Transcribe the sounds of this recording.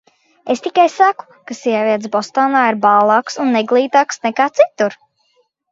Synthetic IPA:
est̪ikajsaku̥kasiɛviɛt̪sbɔst̪aːnaːiɾbaːlˠɑːksunːɛɡlˠiːt̪aːksnɛkaːt̪sit̪uɾ

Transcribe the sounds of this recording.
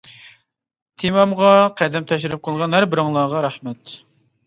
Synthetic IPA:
t̪ʰemɑmʁɑqʰæd̪ɛmt̪ʰɛʃɪɾɪp̚qʰəlˠʁɑnɦæɾbɪɾɨŋlˠɑʁɑɾæχmɛt̪

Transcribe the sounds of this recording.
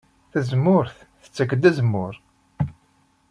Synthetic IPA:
θæzmːʊɾθθə̥t͡sːəkːəd̪æzəmːʊɾ

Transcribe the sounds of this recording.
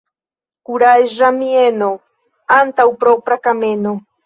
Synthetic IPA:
kuɾajʃɾamieno | ant̪awpɾopɾakameno

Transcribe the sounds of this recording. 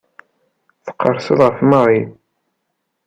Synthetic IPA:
θə̥qːəɾˤsəðˤʁəfməɾˤi

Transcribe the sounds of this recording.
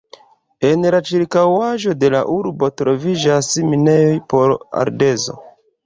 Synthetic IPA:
e̞nlat͡ʃiɾkawaʒo̞de̞la̰ʔuɾbo̞tɾo̞vid͡ʒasmine̞jo̞jpo̞ɾa̰ɾde̞zo̞̰

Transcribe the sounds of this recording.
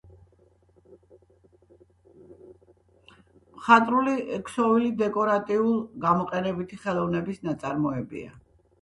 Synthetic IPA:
mχat̪ʼɾuliɛkʰsɔvilid̪ɛkʼɔɾat̪ʼiulˠɡamɔqʼɛnɛbit̪ʰiχɛlˠɔvnɛbisnat̪sʼaɾmɔɛbḭa̰

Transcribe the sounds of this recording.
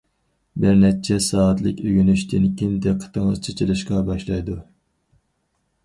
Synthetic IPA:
bɪɾnɛt͡ʃʰɛsɑːɑt̪lˠɪkʲøɡʲynyʃt̪ʰɪnkʲʰind̪ɛqʰə̥t̪ʰəŋəzt͡ʃʰet͡ʃʰilɪʃqɑbɑʃlˠɑjd̪u

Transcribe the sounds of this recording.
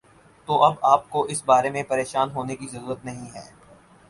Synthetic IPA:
t̪oʔɐbaːp̚koʔɪsbaːɾemẽpɐɾeːʃaːnɦoːnekizɐɾuːɾət̪nɐɦĩɦɛ̰ː

